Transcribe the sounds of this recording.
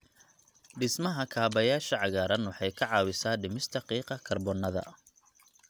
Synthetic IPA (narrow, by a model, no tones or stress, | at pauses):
ɖɪsmɐɦɐkʰaːbɐjaːʃɐʕɑɣaːɾɐnwɑħɑjkʰɐʕɑːwɪsaːɖɪmɪst̪ʰɐqiːqɐkʰɐrbɔnɐðɐ̰